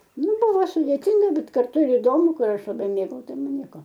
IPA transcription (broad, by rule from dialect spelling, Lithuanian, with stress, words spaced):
ˈnʊ ˈbʊʋoː sʊdʲeːˈtʲɪŋɡɐ ˈbʲɛt kɐrˈtʊ ɪr ɪˈdoːmʊ ˈkʊr ˈɐʃ lˠɐˈbɐɪ ˈmʲeːɡɐʊ ˈtɐɪ ˈmɐn ˈnʲiɛkoː